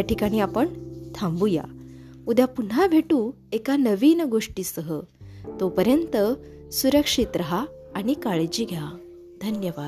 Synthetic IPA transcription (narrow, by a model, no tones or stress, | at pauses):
jaʈikaɽ̃iːapəɳt̪ʰãmbuja̰ | ud̪ʱjapun̤abʱeʈũ | ekanəʋiːnɡoʂʈiːsəɦə | t̪opəɾjənt̪ə | suɾəkʂit̪ɾəɦaː | ɽ̃ikaɭd͡ʑiːɡʱja | d̪ʱənjəʋad̪